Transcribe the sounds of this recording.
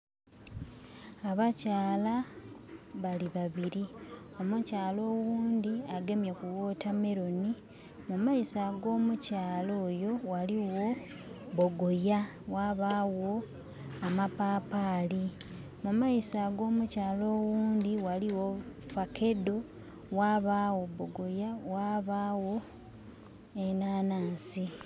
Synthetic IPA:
aβacaːla | βaliβaβiɾi | o̞mucaːlo̞ːwuːnd̪iaɡe̞mjekuwo̞ːtame̞ɾoni | mumaisaɡo̞ːmucaːlo̞ːjo̞waliwo̞ | βoɡo̞ja | waβawo̞ | amapaːpaːli | mumaisaɡo̞ːmucaːlo̞ːwuːnd̪iwaliwo̞fake̞do̞ | waːβaːwo̞boɡo̞jawaβawo̞ | enaːnaːnsi

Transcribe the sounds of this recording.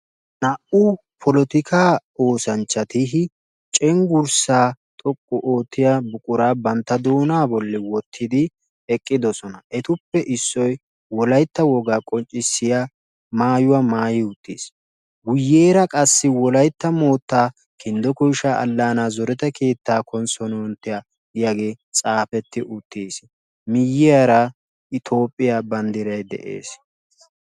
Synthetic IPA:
nɐʔʊ | pʰɔlɔt̪ɪkʰaːo̞ːsɐnt͡ʃːɐt̪ɪɦɪ | t͡ʃʼɛŋɡʊɾsaːt̪ʼɔkʼːɔʔo̞ːt̪ːɪjabʊkʼʊɾaːbɐnt̪ːɐd̪oːnaːbɔlːɪwɔt̪ʰːɪd̪ɪ | ɛkʼːɪd̪ɔsɔnɐʔɛt̪ʊpːɛʔɪsːɔj | wɔlɐjt̪ːɐwɔɡaːkʼɔnt͡ʃʼːɪsːɪja | maːjʊwɐmaːjɪʊt̪ːḭːs | wʊjːeːɾɐkʼɐsːɪwɔlɐjt̪ːɐmo̞ːt̪ːaː | kʰɪnd̪ɔkʊjʃaʔɐ̰lːaːnaːzɔɾɛt̪ɐke̞ːt̪ːaːkʰɔnsɔnɔɔnt̪ːɪja | ɪjaɡeːt͡sʼaːpɛt̪ːɪʔʊt̪ʰːiːs | mɪjːɪjaɾɐ | ʔɪt̪ʰo̞ːpʼːɪjabɐnd̪ɪɾɐjd̪ɛ̰ʔḛːs

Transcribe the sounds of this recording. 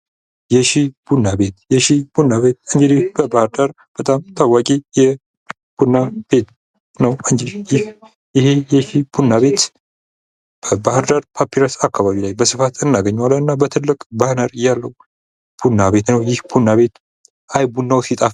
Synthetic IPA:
jɛʃib̥unːabe̞t̪jɛʃib̥unːaβe̞t̪̚ɨɲd͡ʒid̪ihb̥əbahɨɾd̪aɾ | b̥ət̪ʼamt̪ʰawakʼijɛ | b̥unːab̥e̞t̪ | nəwɨɲd͡ʒid̪jɪh | jɪhe̞jɛʃib̥unːaβe̞t̪ | b̥əbahɨɾd̪aɾpʰapʰːiɾasakʰːaβaβilajbəsɨfat̪ɨnːaɡəɲːwaləɨnːabət̪ʰɨlːɨkʼbahnəɾjalːəw | b̥unːaβe̞t̪nəwjɪhb̥unːaβe̞t̪ | ʔajbunːawsit̪ʼaf

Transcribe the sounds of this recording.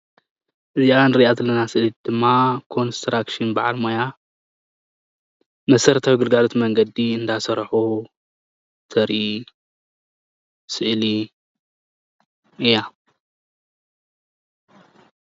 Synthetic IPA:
ʔɨziaanɾiʔazɨlːɐnasɨʔlid̪̥ɨmːakʰo̞nst̪ɾakʃɨnbaʕalmoja | mɐsɐɾt̪ʰawɡɨlɡalot̪mɐŋɡɐd̪iɨnd̪asɐɾħu | t̪ʰɐɾi | sɨʔli | ʔɨja

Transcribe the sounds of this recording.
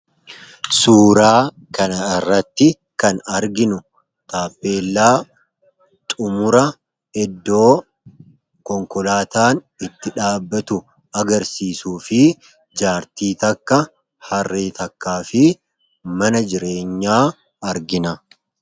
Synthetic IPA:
suːɾaː | kɐnɐɪrːɐt̪ːɪ | kɐnɐɾɡɪnʊ | t̪aːpːe̞ːlːaː | t̪ʼʊmʊɾɐ | ɛd̪ːo̞ː | kɔŋkɔlaːt̪aːn | ɪt̪ːɪᶑaːbːɐt̪ʊ | ɐɡɐɾsiːsuːfɪ | d͡ʒaːɾt̪iːt̪ɐkːɐ | hɐrːeːt̪ɐkːaːfɪ | mɐnɐd͡ʒɪɾe̞ːɲːaː | ɐɾɡɪnɐ

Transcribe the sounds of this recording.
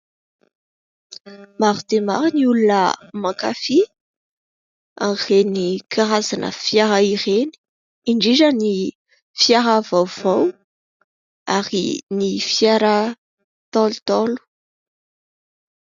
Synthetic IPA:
maɾut̪ema̰ɾiniulunəmakafi | a̰ŋrenikʰaɾazanə̰fjaɾaiɾeni̥ | iɳɖ͡ʐiɾəni | fjaɾavawv̥aw | aɾḭnifjaɾa | t̪ɔlut̪ɔlu̥

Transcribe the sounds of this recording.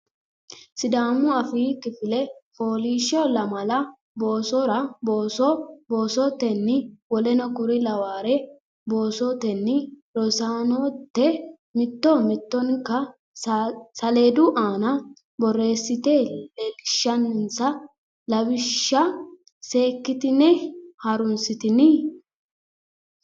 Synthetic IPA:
sɪd̪aːmʊɐfiːkɪfɪlɛfoːliːʃɔlɐmɐlɐ | bo̞ːsɔɾɐboːsɔboːsɔt̪ɛnːɪwɔlɛnɐkʊɾɪlɐwaːɾɛ | bo̞ːsɔt̪ɛnːɪɾɔsaːnot̪ːɛ | mɪt̪ːɔmɪt̪ːɔnkɐ | sɐle̞ːd̪ʊʔaːnɐ | bɔrːe̞ːsːɪt̪elɛlɪʃːɐnnsɐ | lɐbɪʃːɐ | se̞ːkːɪt̪ɪnɛhɐɾʊnsɪt̪ɪnːɪ

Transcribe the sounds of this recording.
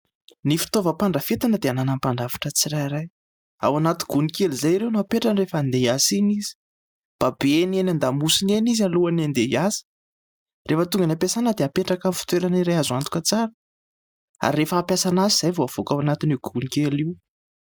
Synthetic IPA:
nifi̥t̪ovəpaɳɖ͡ʐəfet̪anəd̪eananampaɳɖ͡ʐavḁʈ͡ʂət͡siɾajɾaj | a̰wanat̪i̥ɡunikelizajiɾewnuapeʈ͡ʂanrefand̪easinizi̥ | mb̥abenenʲand̪amusinenizaluanand̪ejasi̥ | refət̪uŋɡanapasanəd̪eapeʈ͡ʂakamifi̥t̪weɾaniɾajazant̪u̥kət͡saɾə | a̰ɾːefəːpjasanaziz̥ajvoav̥okawanat̪iniɡ̥unikeliw

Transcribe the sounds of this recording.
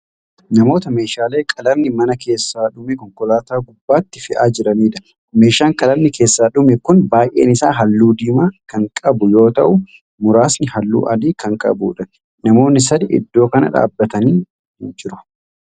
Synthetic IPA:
nɐmo̞ːt̪ɐme̞ːʃaːle̞ːkʼɐlɐmːɪmɐnɐke̞ːsːaːᶑʊmɛkɔŋkɔlaːt̪aːɡʊbːaːt̪ːɪfɪʔaːd͡ʒɪɾɐniːᶑ̪ɐ̥ | me̞ːʃaːŋkʼɐlɐmnːɪke̞ːsːaːᶑʊmɛkʊnbaːjʔḛːnɪsaːɦɐlːuːd̪iːmaːkɐŋkʼɐbʊjo̞ːt̪ɐʔʊ | mʊɾaːsnɪhɐlːṵːʔɐliːkɐŋkʼɐ̰bṵːᶑɐn | nɐmo̞ːnːɪsɐd̪ɪʔɪ̰d̪ːo̞ːkɐnɐ̰ᶑa̰ːbːɐt̪ɐniː | d͡ʒɪɾʊ̥

